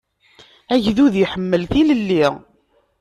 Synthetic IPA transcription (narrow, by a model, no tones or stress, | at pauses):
æʝðuðjħəmːəlθiləlːiʁ